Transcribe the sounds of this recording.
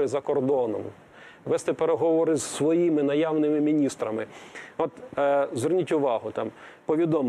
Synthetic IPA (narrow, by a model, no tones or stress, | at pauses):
ɪzɐkɔrd̪ɔnɔ̰m | ʋɛst̪ɛpeɾeɦɔʋɔɾɪzsʋɔjimɪnɐjawnɪmɪmʲinʲist̪ɾɐmɪɔt̪zʋernʲitʲʊʋɑɦʊt̪ɑm | pɔʋʲid̪ɔm